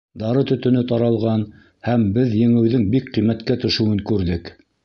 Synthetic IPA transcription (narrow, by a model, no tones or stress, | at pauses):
d̪ɑɾɤt̪ɵ̆t̪ɵ̆nɵt̪ɑɾɑlˠʁɑn | hæmbɘðjɘ̆ŋɘ̆wðɘŋbikqːijmæt̪kæt̪ɵ̆ʃɘ̆wɘŋkʉɾðɘk